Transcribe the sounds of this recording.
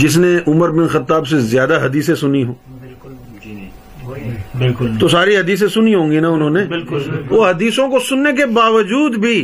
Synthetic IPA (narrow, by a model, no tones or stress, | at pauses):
d͡ʒɪs̬neʔʊməɾbɪnxɐt̪ːaːbsezjaːd̪aɦɐd̪iːsẽsʊniɦõː | bɪkt̪osaːɾiɦɐd̪iːs̬ẽsʊniɦõːŋɡinaʊnɦõːnebɪlʋoːɦɐd̪iːsõkosʊnːek̬ebaːʋəd͡ʒuːd̪bʱiː